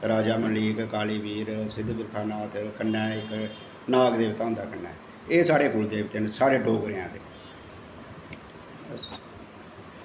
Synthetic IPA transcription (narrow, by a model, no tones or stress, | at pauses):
ɾaːd͡ʒaːmənliːkkaːliːʋiːɾsɪd̪bɪɾkʰaːnaːt̪kənːɛːɪk | naːɡd̪eːʋt̪ãːɦʊnd̪aːkənːɛ̰ː | eːsaːɽeːkʊld̪eːʋt̪ensaːɾeːɖoːɡɾeãːt̪eː